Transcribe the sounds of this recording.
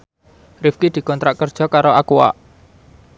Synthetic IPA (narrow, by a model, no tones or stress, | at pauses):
rifkid̪̥i̤kɔnt̪ɾaʔkərd̥ʒ̥ɔ̤kaɾoakuwa̰ʔ